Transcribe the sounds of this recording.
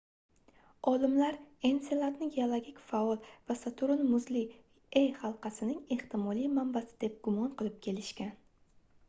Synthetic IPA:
ɒlɪmlaɾe̞nselˠat̪nɪɡʲeolˠoɡʲikʲfaɒlˠvasat̪ʰʊɾɪnmʊzlɪ | ejhɑlˠqɑsɪnɪŋe̞ht̪ɪmɒlˠijmambasɪ̥d̪e̞p̚ɡʊmɒnqɨlˠɪp̚kʲʰe̞lɪʃkʲan

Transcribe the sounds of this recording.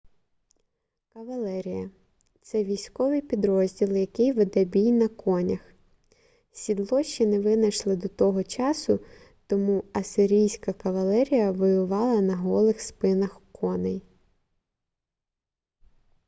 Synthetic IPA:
kɐʋɐlˠɛɾʲijɐ | t̪sɛʋʲijsʲkɔʋɪjpʲid̪ɾɔzʲdʲilˠjɐkɪjʋɪd̪ɛbʲijnɐkʰɔnʲɐx | sʲid̪lˠɔʃːinɛʋɪnɐʃlˠɪd̪ɔt̪ɔɦɔt͡ʃɑsʊ | t̪ɔmuɐsɪɾʲijsʲkɐkɐʋɐlˠɛɾʲijɐʋɔjʊʋɑlˠɐnɐɦɔlˠɪxspɪnɐxkʰɔnɛj

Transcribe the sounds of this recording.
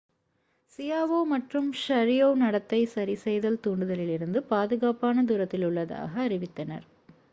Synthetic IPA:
sɪjaːʋoːmɐʈrɯmʃɐɾɪjoːnɐɽɐt̪ːɐɪsɐɾisɛjðɐlt̪uːɳɖɯðɐlɪlɪɾɯnd̪ɯpaːðɯɣaːpaːnɐd̪uːɾɐt̪ːɪlʊɭːɐða̰ːɣɐːɾɪʋɪt̪ːɐnɐ̰ɾ

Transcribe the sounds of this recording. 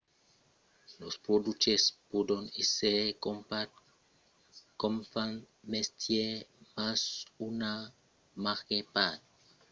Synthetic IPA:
lospɾod̪ut͡ʃespod̪onesekopa | komfan | mest̪jemasuna | maʁkepat̪̚

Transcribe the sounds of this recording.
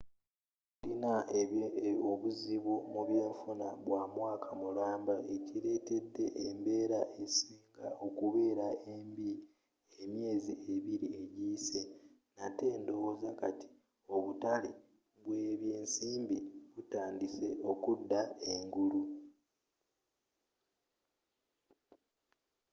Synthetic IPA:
linaeoβuziβomuβje̞ːɱfunaβwaːmwaːkʰamulaːmbae̞ciɾe̞ːte̞dːe̞ʔembe̞ːɾaʔesiːŋɡao̞kuβe̞ːɾaembi | emje̞ːzie̞βiɾie̞ɟiːse̞ | nate̞ːndo̞wozakati̥ | o̞βutale | βweːβjeːnsiːmbiβutaːndise̞o̞kudːae̞ŋɡuɾu

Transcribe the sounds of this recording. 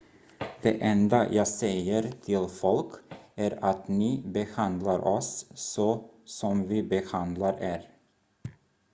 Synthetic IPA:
d̪̥ḛʔɛnd̪ajʔɑːsɛjəɾt̪ʰɪlfɔlkæɾat̪nɪbɛhand̪laɾʔɔsːɔsɔmvɪbɛhand̪laɾeːɾ

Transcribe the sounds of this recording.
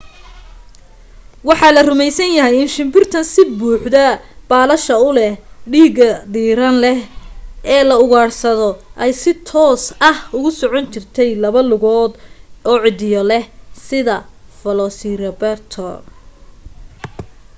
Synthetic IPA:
wɑħɑlɐrʊmɛjsɐnjɐɦɛjɪnʃɪmbɪrt̪ʰɐnsɪbuːħd̪ɐb̥aːlɐʃɐʊlɛhɖiːɣɐd̪iːɾɐnlɛhɛːlɐʊɣaːrsɐðɔʔɛjsɪt̪ʰɔːsɐhʊɣʊsɔʕɔnt͡ʃɪrt̪ʰɛjlɐβɐlʊɣɔːd̪ɔːʕɪd̪ɪjɔlɛhsɪðɐfɐlɔːsirɐbɛrt̪ʰɔ̰

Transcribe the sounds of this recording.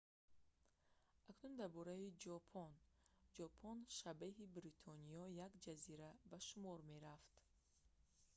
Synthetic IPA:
ʔaknund̪aɾbɔɾaid͡ʒɔpʰɔnd͡ʒɔpʰɔnʃabeɦibɾit̪ʰɔniɔjakd͡ʒaziɾabaʃumɔɾmeɾaft̪

